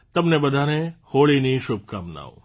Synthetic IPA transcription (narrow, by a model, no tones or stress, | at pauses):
t̪ɐmnebɐd̪ʱaːnẽhoːɭiniʃʊb̚kamna̰ːo̰